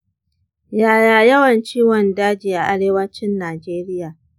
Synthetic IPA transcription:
jaː˨jaː˨jɐ˦wɐ˨nt͡ʃiː˦wɔ˨ndaː˦d͡ʒiː˨ʔa˨ʔa˦ɽeː˦wɐ˦t͡ʃɪ˦nːaː˨d͡ʒeː˦ɾɪ˦jaː˨

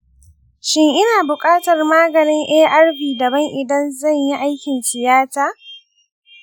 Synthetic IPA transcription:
ʃɪ˦ŋʔɪ˦naː˨bʊ˨kʼaː˦tɐ˨rmaː˦ɡɐ˨nɪ˦ŋʔɛː˦ʔa˦rɸiː˨dɐ˨bɐ˦ŋʔɪ˨dɐ˦nzɐ˦˨ɲji˦ʔa˦jkʲɪ˨nsɪ˨jaː˦taː˦

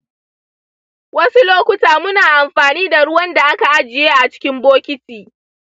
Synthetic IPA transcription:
wɐ˦su˦loː˦kʷʊ˦taː˨mʊ˦naː˨ʔa˨mɸaː˨niː˦da˨ɽʊ˦wɐ˦nda˨ʔa˦ka˨ʔa˦d͡ʒɪ˨jeː˦ʔa˨t͡ʃɪ̥˦kʲɪ˦mboː˦kʲɪ˦tiː˨

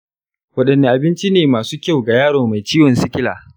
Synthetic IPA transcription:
wɐ˦ɗɐ˨nːe˦˨ʔa˨bɪ˦nt͡ʃi˦neː˨maː˨suː˦kʲa˦˨wɡa˨jaː˦ɽoː˨ma˨jt͡ʃiː˦wɔ˨nsɪ˦kʲɪ˦la̰ː˨

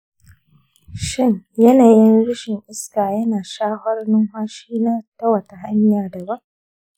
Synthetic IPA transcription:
ʃɪ˦ɲjɐ˦naː˨jɪ˦nɽʊ˦ʃɪ˨ŋʔɪ˦skaː˨jɐ˦naː˨ʃaː˦hɐ˦rnʊ˦ŋɦʷaː˦ʃiː˦naː˦tɐ˦wɐ˨ta˨ɦa˦ɲjaː˨da˨ba˦ŋ

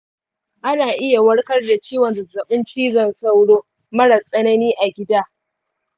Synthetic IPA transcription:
ʔa˦naː˨ʔɪ˦ja˨wɐ˦ɽkɐ˦rda˨t͡ʃiː˦wɐ˨nzɐ˨zɐ˨ɓɪ˦nt͡ʃiː˦zɐ˦˨nsa˦wɽoː˦ | mɐ˦ɽa˨sʼɐ˦nɐ˦niː˦ʔa˨ɡʲɪ˦daː˦

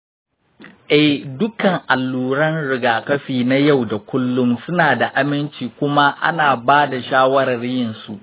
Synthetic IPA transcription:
ʔɛ˦˨hdʊ˦kɐ˨ŋʔa˨lːuː˨ɾɐ˦nɽɪ˨ɡaː˨kɐ˦ɸiː˨na˦ja˦˨wda˨kʷʊ˦lːʊ˦msʊ˦naː˨da˨ʔa˦mɪ˦nt͡ʃiː˨kʷʊ˦ma˦ʔa̰˦naː˨baː˦da˨ʃaː˦wɐ˦ɾɐ˨rjɪ˨nsu˨ʔ

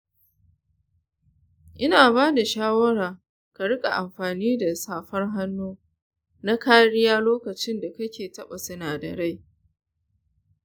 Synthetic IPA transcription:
ʔɪ˦naː˨baː˦da˨ʃaː˦wɐ˦ɽaː˨ | ka˨ɽɪ˦kʼa˨ʔa˨mɸaː˨niː˦da˨saː˦ɸɐ˦rɦa˦nːoː˦ | na˦kaː˦ɽɪ˦jaː˦loː˦kɐ˨t͡ʃɪ˦nda˨kɐ˦kʲeː˨tɐ˦ɓa˨sʊ˦naː˨dɐ̰˨ɽa˦j

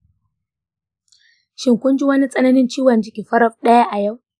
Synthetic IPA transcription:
ʃɪ˨ŋkʷʊ˦nd͡ʒi˦wɐ˦ni˦t͡sʼɐ˦nɐ˦nɪ˦nt͡ʃiː˦wɐ˨nd͡ʒɪ˦kʲiː˨ɸɐ˦ɾɐ˦ɸ̚ɗɐ˦ja˦ʔa˨ja˦˨w

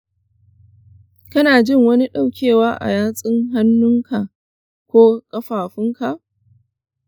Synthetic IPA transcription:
kɐ˦naː˨d͡ʒɪ˦ŋwɐ˦ni˦ɗa˦˨wkʲʰeː˦˨waː˦ʔa̰˨jaː˦sʼɪ˦ŋɦa˦nːʊ˦ŋkʰa˨ʔ | kʷoː˦kʼɐ˦ɸaː˨ɸɪ˦ŋka˨ʔ

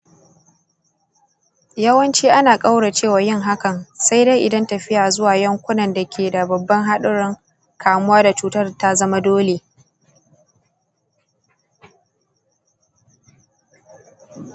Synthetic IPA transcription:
jɐ˦wɐ˦nt͡ʃiː˦ʔa˦naː˨kʼa˦wɽa˨t͡ʃeː˦˨waː˨jɪ˦˨ŋɦa˦kɐ˨nsa˦jda˦jʔɪ˨dɐ˦ntɐ˨ɸɪ˦jaː˨zʊ˦waː˨jɐ˦ŋkʷʊ˦nɐ˨nda˨kʲʰeː˨da˨bɐ˨bːɐ˦ŋɦa˦ɗʊ˦ɽɪ˦ŋ | kʰaː˨mʊ˦waː˦da˨t͡ʃuː˦tɐ˦rta˦zɐ˦ma˦doː˦le˨

